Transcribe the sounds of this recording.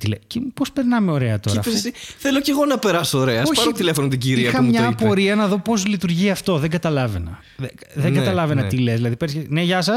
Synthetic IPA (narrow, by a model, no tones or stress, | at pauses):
t̪ilecepo̞speɾnɐmeo̞ɾeɐt̪o̞iɐfsesiθeloce̞ɣo̞nɐpe̞ɾɐsoːɾeɐssoçɐɾot̪ilefonot̪iɟiɾiɐxɐmɲɐpoɾiɐnɐðo̞po̞zlit̪uɾʝiɐft̪o̞ðeŋɡɐt̪ɐlɐve̞nɐ | ð | ðeɡɐt̪ɐlɐvenɐt̪ile̞szðilɐðipeɾsçeneʝɐsɐs